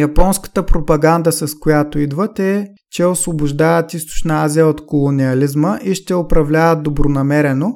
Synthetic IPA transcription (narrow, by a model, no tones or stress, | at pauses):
jɐpɔnskə̥t̪əpɾopɐɡand̪əsɐskojat̪oid̪vət̪ɛ | t͡ʃɛosvobʊʒd̪avət̪ist̪ʊ̥t͡ʃnəazijəot̪kolˠoniɐlizməʔiʃt̪ɛʊpɾɐvlʲavɐd̪obɾonɐmɛɾɛno